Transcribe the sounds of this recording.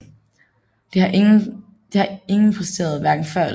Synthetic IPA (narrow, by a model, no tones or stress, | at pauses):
d̥ehɑʔ | d̥ehɑ̈e̝ŋn̩pʰʁɛsd̥e̝̰ːɐð̞̩ˠʋæɐɡ̥n̩fɶɐ̰̥